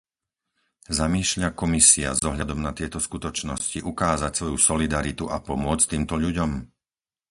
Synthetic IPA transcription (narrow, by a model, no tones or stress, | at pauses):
zamiːʃʎakɔmisia̰zɔɦʎad̪ɔmnat̪ɪɛt̪ɔskut̪ɔt͡ʃnɔsciʔukaːzacsʋɔjusɔlid̪aɾit̪uʔapɔmʊɔt͡st̪iːmt̪ɔʎuɟɔm